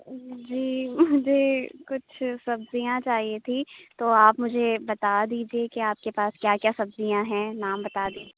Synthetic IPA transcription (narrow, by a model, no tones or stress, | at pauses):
d͡ʒiːmʊd͡ʒʱekʊt͡ʃʰsɐbzijãt͡ʃaːɦiet̪ʰĩt̪oːaːpmʊd͡ʒʱebɐt̪ad̪iːd͡ʒiekiaːp̚kepaːskjaːkjaːsɐbzijãɦɛ̃ːnaːmbɐt̪ad̪iː